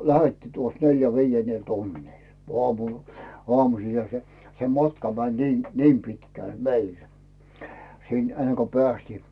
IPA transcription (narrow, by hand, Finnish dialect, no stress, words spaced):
læhetːiː tuos neljæ ʋiːenːel tunːiˑl oɑmu oɑmusiːhɑ se se mɑtkɑ mænʲ niː niːm pitkæˑl meil siˑn enːe ko pĕæstiː